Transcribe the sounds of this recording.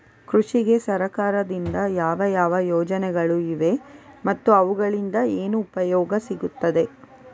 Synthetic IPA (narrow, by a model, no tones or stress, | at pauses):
kɾuʂiɡe̞sɐɾɐkaːɾɐd̪ind̪ɐjaːʋɐjaːʋɐjɔːd͡ʒɐnɛɡɐɭuiʋe̞mɐt̪ːuɐʋuɡɐɭind̪ɐeːnuːpɐjɔːɡɐsiɡut̪ːɐd̪e̞